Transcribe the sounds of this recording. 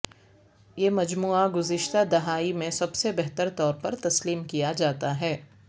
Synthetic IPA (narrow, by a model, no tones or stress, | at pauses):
jeːmɐd͡ʒmuːaɡʊzɪʃt̪ad̪ɐɦaːimẽsɐbsebɛɦt̪əɾt̪ɔːɾpɐɾt̪ɐsliːmkijad͡ʒaːt̪aɦɛː